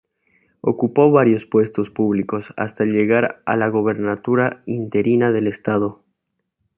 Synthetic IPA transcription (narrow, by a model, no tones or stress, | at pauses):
o̞̰kupo̞βaɾjo̞spwe̞st̪o̞spuβliko̞sa̰st̪aelʎe̞ɣaɾa̰laɣo̞β̞e̞ɾnat̪uɾaint̪e̞ɾinaðe̞le̞st̪aðo̞